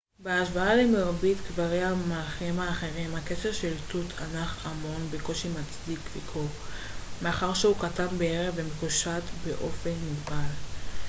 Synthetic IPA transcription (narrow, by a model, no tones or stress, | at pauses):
beaʃvaalemeʁbitkvaʁejhamalχimhaːχe̞ʁimhake̞ʃeʁʃeltutʰanaχamo̞nbeko̞ʃimat͡sdikvikʰo | me̞aχaʁʃeukatanbeeʁevemekuʃatbe̞ʔo̞fe̞nmuɡbal